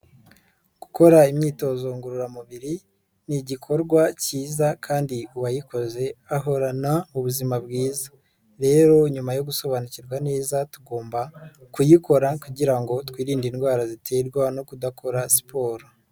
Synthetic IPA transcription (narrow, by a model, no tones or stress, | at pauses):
ɡ̥uko̞ɾaimɲiːto̞zo̞ŋɡuɾuɾamuβiɾi | niɟikʰo̞ɾɡwaciːzakʰaːndiuβajikʰo̞ze̞aɦo̞ɾanauβuzimabɡiːzḁ | ɾe̞ːɾo̞ɲumajo̞ɡuso̞βanuciɾɡwane̞ːzatuɡo̞ːmbakujiko̞ɾakuɟiɾaŋɡo̞twiːɾiːndinɡwaːɾazitʰe̞ɾɡwano̞kudakʰo̞ɾasi̥pʰo̞ːɾo